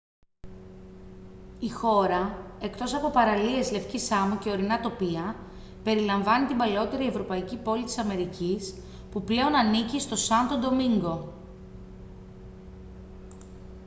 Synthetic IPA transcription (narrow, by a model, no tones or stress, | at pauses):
ixo̞ɾɐe̞kt̪o̞sɐpo̞pɐɾɐlie̞zle̞fcisɐmuce̞o̞ɾinɐt̪o̞piɐ | pe̞ɾilɐɱvɐnit̪imbɐleo̞t̪e̞ɾie̞vɾo̞pɐicipo̞lit̪i̥sɐme̞ɾicis | puple̞o̞nɐnicist̪o̞sɐnt̪o̞d̪o̞miŋɡo̞